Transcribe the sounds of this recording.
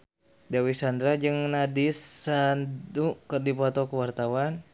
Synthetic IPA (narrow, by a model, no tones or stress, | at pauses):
dawisand̪ɾad͡ʒɨŋnadisandukərdipɔt̪ɔkəwart̪awan